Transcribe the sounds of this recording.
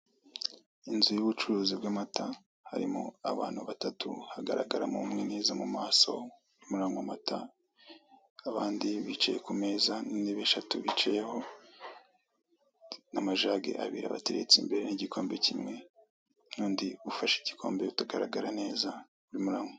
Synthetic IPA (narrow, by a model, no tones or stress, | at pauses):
inzujuβut͡ʃuɾuːzibɡamata | ha̰ɾimo̰a̰βa̰ːn̥huβatatuhaɡaɾaɡaɾamuumŋeneːzamumaːso̞̰ | uɾimuɾaŋomatʰa | aβaːndiβit͡ʃa̰jekume̞ːzaniniβeʃatuβit͡ʃajeho̞ | namaʒaːɡḛʔa̰βḭɾa̰βateɾe̞t͡simbe̞ɾeniɟikʰo̞ːmbe̞cimŋe̞ | nuːndiufaʃiɟ̥i̥kʰo̞ːmbeutaɡaɾaɡaɾane̞ːza | uɾimuɾaːŋo